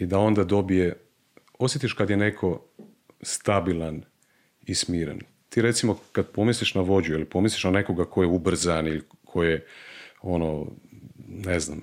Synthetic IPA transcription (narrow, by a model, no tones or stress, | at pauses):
id̪ao̞nd̪ad̪o̞bije | o̞sjet̪iʃkad̪jenekʰo̞ | st̪abilan | ismiːɾḛn | t̪iːɾe̞t̪simo̞kad̪po̞misliʃnaʋo̞d͡ʑuilipo̞misliʃnaneko̞ɡakojeubr̩zanilikʰojeo̞no | nezna̰m